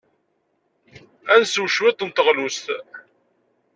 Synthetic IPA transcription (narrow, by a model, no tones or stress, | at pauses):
ænsuwʃwɪt̪ˤənt̪əʁlust̪